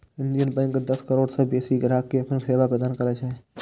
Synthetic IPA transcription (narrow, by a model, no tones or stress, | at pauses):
ɪ̃nd̪ijənbɛ̃ŋkd̪ɐskəɾoːɽsebeːsiɡɾaːkːeɐpnseːʋapɾəd̪aːnkɐɾat͡ʃʰaːɦe